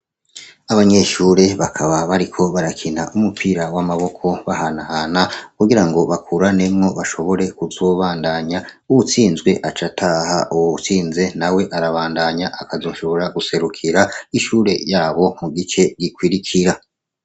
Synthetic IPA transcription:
aβaɲe̞ʃuːɾe̞βakʰaβaβaɾikʰo̞βaɾakʰinaʔumupʰiɾawamaβo̞kʰo̞βahanaːnakuɡiɾaŋɡo̞βakuɾane̞mŋo̞βaʃo̞βo̞ɾe̞kuzo̞βaːndaɲa | uβut͡siːnzɡwe̞ʔat͡ʃatʰaha̰ʔuwut͡siːnze̞nawe̞ʔaɾaβaːndaɲaʔakazo̞ːʃoβo̞ɾaɡuse̞ɾukʰiɾaiʃuːɾe̞jaːβo̞muɡit͡ʃe̞ɡikwiɾikʰiɾa

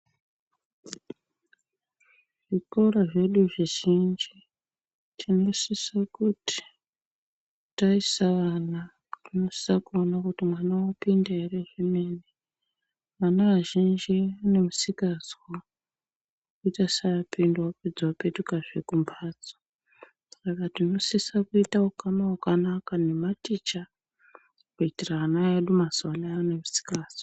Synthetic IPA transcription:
ʐ̥ikoraʐe̞ɗuʐiʒind͡ʒi | tʰino̞sisakuti̥ | taisaʋana | tino̞si̥sakuonakutimwanawopindaereʐimeːne | ʋanaʋaʒind͡ʒiane̞musikad͡zwa | kuitasapindwaped͡zwapetukaʐekumbʰʱaːd͡zo̥ | sakatino̞sisakuitaukanawakanakane̞matiːt͡ʃa | kuitiraanaeɗumazalaane̞musi̥kaːswa

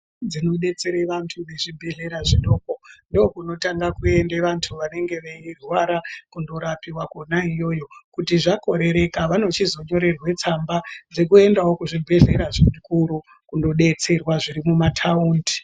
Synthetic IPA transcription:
d͡zino̞ɗe̞t͡se̞ɾeʋantʰuneʐibʱe̞ɮe̞ɾaʐiɗo̞ːko̞ndookuno̞taŋɡakue̞ndeʋantʰuʋane̞ŋɡe̞ʋeirwaɾakundo̞ɾapiwakonaijo̞jo̞kutiʐako̞ɾe̞ɾe̞kaʋano̞t͡ʃizo̞ɲo̞ɾe̞rwe̞t͡sambad͡ze̞kue̞ndawokuʐibʱeɮe̞ɾaʐikuɾu | kundo̞ɗe̞t͡se̞rwaʐiɾimumatʰauːndi̥

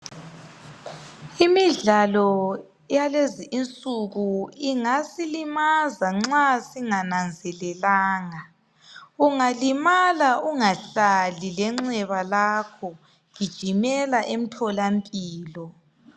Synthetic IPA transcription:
imiɮalɔ | jaleziʔːnt͡sʼuɣuiŋasilimazaŋ͡ǁasiŋanand͡zʱɛlɛlaːŋa | uŋalimalauŋaɬalilɛŋ͡ǁɛβalakʰɔ | ŋid̥ʒ̥ʱimɛlaʔem̩tʰɔlampʼiːlɔ

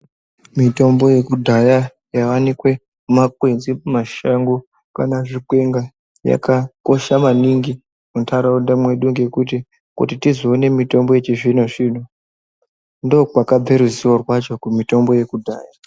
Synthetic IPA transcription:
mito̞mbo̞je̞kudʱaja | jawanikwe̞ | umakwe̞d͡ziumaʃaŋɡo | ka̰naʐikwe̞ŋɡa | ja̰kako̞ʃamaniŋɡi | kuntʰaɾaundamwe̞ɗuŋɡe̞kut̬i | kṵtitizoːne̞mito̞mbo̞jet͡ʃeʐinoʐiːn̤u | ndo̞ːkwakab͡veɾuziworwat͡ʃo̞kumito̞mbo̞je̞kudʱa̰ːja

